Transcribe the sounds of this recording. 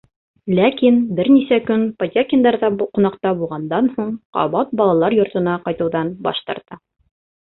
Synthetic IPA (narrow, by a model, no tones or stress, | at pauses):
lækinbɘɾnisækɵnpod̪ʲakʲɪnd̪ɑɾðɑqŭnɑqt̪ɑbulˠʁɑnd̪ɑnhuɴqɑ̰βɑt̪̚bɒlˠɑlˠɑɾjŏɾt̪ɤ̆nɑqɑjt̪ŭwðɑnbɒ̰ʃt̪ɤ̰̆ɾt̪ɤ